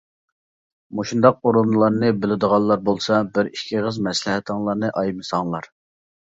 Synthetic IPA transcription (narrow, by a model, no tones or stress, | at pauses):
moʃund̪ɑq̚oɾunlˠɑɾnɨbɪlɪd̪əʁɑlˠːɑɾbolˠsɑbɪɾiʃkʲʰiʁəzmɛslɪhɛt̪ʰəŋlˠɑɾnɨʔɑjmɨsɑŋlˠɑɾ